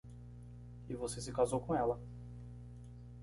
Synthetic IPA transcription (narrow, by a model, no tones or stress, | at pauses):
ɪvosesɪkazowkõɛlɐ